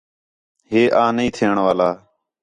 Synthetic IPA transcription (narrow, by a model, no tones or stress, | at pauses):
ɦeːʔãːnĩːt̪ʰeːəɳʋaːlaː